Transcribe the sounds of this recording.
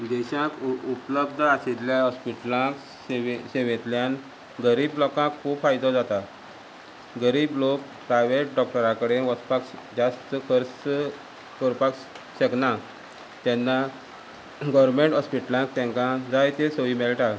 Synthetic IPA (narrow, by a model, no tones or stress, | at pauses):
d̪eɕãkupləb̚d̪ʱəaset̪ljaɔspiʈlãk | ɕeʋẽt̪ljan | ɡəɾiːblɔkãkʰːuːbfajd̪ɔd͡zat̪a | ɡəɾiːblok̚pɾajʋeʈ̚ɖɔk̚ʈəɾãkəɽeɦɔspakd͡ʑast̪kʰəɾ | kɔɾpak | ɕəkna | t̪ɛnːa | ɡɔʋəɾmeɳʈɦɔspiʈlãk̚t̪ɛ̃ŋkãd͡zajt̪esəʋimelʈa